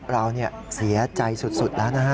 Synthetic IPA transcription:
ɾa˧wni˥˩ɐsi˩˦ɐt͡ɕa˧jsu˨˩t̪̚su˨˩t̪̚lɛː˦˥wnaː˦˥kʰa˦˥

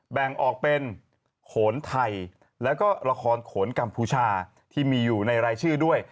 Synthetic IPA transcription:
bɛ˨˩ŋʔɔː˨˩k̚pe˧n | kʰoː˩˦nt̪ʰa˧˩j | lɛː˦˥wkɔː˥˩ɾa˧kʰɔː˧nkʰoː˩˦nka˧mpʰuː˧t͡ɕʰaː˧ | t̪ʰiː˥˩miː˧juː˨˩na˧jɾaː˧jt͡ɕʰɯː˥˩du˥˩əj

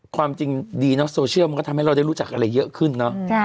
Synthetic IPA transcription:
kʰwaː˧mt͡ɕi˧ŋdiː˧nɔ˦˥soː˧t͡ɕʰi˥˩ma˧kɔ˥˩˧mha˥˩jɾa˧wda˥˩ɾu˦˥t͡ɕa˨˩k̚ʔa˧ɾa˧jːɤ˦˥ʔkʰɯ˥˩nːɔ˦˥ʔʰ

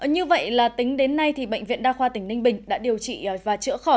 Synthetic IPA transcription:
ɲɨ˧və̰˧˨jlaː˨˩t̪ï˨˦ŋ̟ɗe˨˦nːa˧jt̪ʰi˨˩ɓə̰˧˨jŋ̟vḭ˧˨ənɗaː˧xwaː˧t̪ï˧˩ŋ̟nï˧ŋ̟ɓï˨˩ŋ̟ɗa̰ː˧˥ɗi˨˩əwt͡ɕḭ˧˨˩vaː˨˩t͡ɕɨ̰˧˥xɔ˧˩

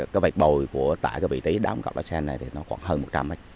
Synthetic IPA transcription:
kaː˨˦jva˨˩jk̚ɓo˨˩jku˧˩ət̪aː˧˩˨jkaː˨˦jvḭ˧˨t̪i˨˦ɗaː˨˦ŋ͡mka̰˧˩w̚ʔa̰ː˨˧˥sɛ˧nːa˨˩jt̪ʰi˨˩nɔ˨˦xwaː˧˩ŋɦəː˧mo˨˩t̚t͡ɕa˧mːa˦jk̚

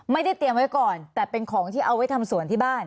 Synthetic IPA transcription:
ma˥˩jda˥˩jt̪i˧əmwa˦˥jkɔː˨˩nt̪ɛː˨˩pe˧nkʰɔː˩˦ŋt̪ʰiː˥˩ʔa˧wa˥jt̪ʰa˧msu˨˩˦nt̪ʰiː˥˩baː˥˩n

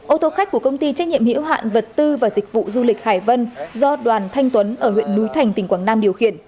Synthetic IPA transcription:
ʔo˧t̪o˧xa˦˥k̟̚ku˧˩əkə˧wŋ͡mt̪i˧t͡ɕa˦˥k̚ɲḭ˧˨əmhḭ˧˥əwɦa̰ː˧˨nvə˨˩t̚t̪ɨ˧vaː˨˩zï˨˩k̚vṵ˧˨zu˧lï˨˩k̚haː˧˩jvə˧nzɔ˧ɗwaː˨˩nt̪ʰa˧jŋt̪wə˨˦nʔəː˧˩hwḭ˧˨ənːu˨˦jt̪ʰa˨˩jŋ̟t̪ï˨˩ŋ̟kwaː˧˩ŋnaː˧mɗi˨˩əwxi˧˩ən

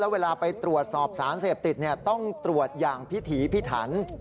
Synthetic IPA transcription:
lɛː˦˥weː˧laː˧pa˧jt̪ɾu˨˩ət̪̚sɔː˨˩p̚saː˩˦nseː˨˩p̚t̪i˨˩t̪̚ni˥˩ɐt̪ɔ˥˩ŋt̪ɾu˨˩ət̪̚jaː˨˩ŋpʰi˦˥t̪ʰiː˩˦pʰi˦˥t̪ʰːa̰ː˩˦n

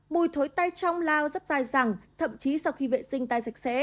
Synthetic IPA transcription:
mu˨˩jt̪ʰo˨˦jt̪a˧jt͡ɕɔ˧wŋ͡mlaː˧wzə˦˥t̚zaː˧˩jza˨˩ŋt̪ʰə̰˧˨mt͡ɕi˨˦sa˧wxi˧vḛ˧˨sï˧ŋ̟t̪aː˧jza˨˩jk̚sɛ̰˧˥

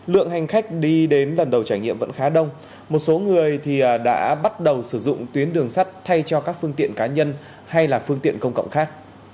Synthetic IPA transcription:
lɨ̰˧˨əŋɦa˨˩jŋ̟xa˦˥k̟̚ɗi˧ɗe˨˦nlə˨˩nɗə˨˩wt͡ɕaː˧˩jŋɲḭ˧˨əmvə̰˧˥nxaː˨˦ɗə˧wŋ͡m | mo˨˩t̚so˨˦ŋɨ˨˩əjt̪ʰi˨˩ə˨˩ɗa̰ː˧˥ɓa˦˥t̚ɗə˨˩wsɨ˧˩zʊ̰˧˨ŋ͡mt̪wi˨˦ənɗɨ˨˩əŋsa˦˥jk̟̚t̪ʰa˧jt͡ɕɔ˧kaː˦˥k̚fɨ˧əŋt̪ḭ˧˨ənkaː˨˦ɲə˧n | ha˧jlaː˨˩fɨ˧əŋt̪ḭ˧˨ənkə˧wŋ͡mkə̰˧˨wŋ͡mxaː˦˥k̚

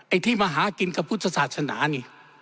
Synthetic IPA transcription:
ʔa˧˩jt̪ʰiː˥˩maː˧ɦaː˨˦ki˧nka˧pʰuː˦˥˩t̪̚t͡ɕʰːa˧saː˨˩t̪̚sʰa˧na̰ː˩˦niː˧˩

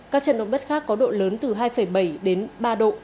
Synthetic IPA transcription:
kaː˦˥k̚t͡ɕə̰˧˨nɗə̰˧˨wŋ͡mɗə˦˥t̚xaː˦˥kːɔ˨˦ɗo̰˧˨ləː˨˦nt̪ɨ˨˩ɦaː˧jfə˧˩jɓə˧˩jɗe˨˦nɓaː˧ɗo̰˧˨ʔ

